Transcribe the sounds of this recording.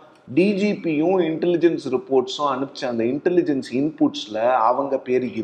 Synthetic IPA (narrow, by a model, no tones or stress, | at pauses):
ɖiːd͡ʒiːpijʊ̃ɪɳʈɛlɪd͡ʒɛnsɾɪpoːɾʈsʊ̃ɐnɯpːɪt͡ʃːɐɐnd̪ɐɪɳʈɛlɪd͡ʒɐnsɪnpuːʈsɪlɐɐʋɐŋɡɐpeːɾɪɾ